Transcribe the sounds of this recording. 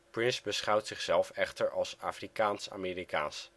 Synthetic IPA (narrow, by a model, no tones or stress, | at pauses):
prɪnsbəsχɑwtsɪχsɛlˠfɛχtəɹɑlˠsaːfrikaːnsa̰ːmeːɾika̰ːns